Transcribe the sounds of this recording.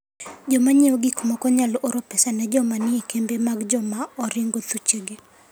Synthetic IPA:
d͡ʒɔmaɲeɔɡikmɔkɔɲalʔoɾɔpɛsanɛd͡ʒɔmanɪekembemaɡd͡ʒɔmaɔɾɪŋɡot̪ut͡ʃeɡe

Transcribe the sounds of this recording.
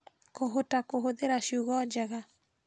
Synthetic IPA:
koɦotakoɦoðeɾaɕjoɣɔd͡ʒɛɣa

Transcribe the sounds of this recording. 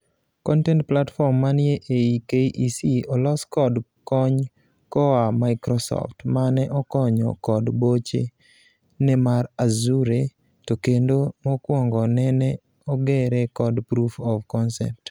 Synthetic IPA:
kɔntɛntplatfɔmːanjeʔeikejʔisiɔlɔskɔdkɔɲ | kɔamaɪkɾɔsɔ̰ftmanɛʔɔkɔɲɔ̰kɔdbot͡ʃe | nɛmaɾazuɾe | tokendomɔkwɔŋɡɔnɛnɛ | ɔɡɛɾɛkɔdpɾufɔvkɔnsɛ̰p̚t

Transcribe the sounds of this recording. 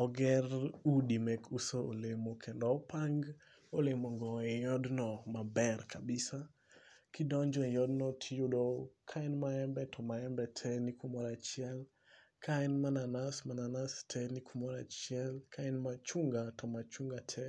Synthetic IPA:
ɔɡɛrudimɛkusoolemokʰendɔpaŋɡ | olemoŋɡɔejɔdnɔmabɛrkʰabɪsa | kidɔɲd͡ʒɔejɔdnɔtʰijudokʰaɛnmaɛmbɛtʰɔmaɛmbɛtʰɛnikumɔɾat͡ʃɪɛl | kʰaɛnmananasmananastʰɛnikumɔɾa̰t͡ʃjɛlkʰaɛnmat͡ʃuŋɡatɔmat͡ʃuŋɡatʰɛ

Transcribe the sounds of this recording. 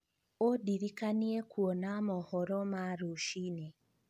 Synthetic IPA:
odiɾikaniekwonamɔhɔɾɔmaɾuʃine

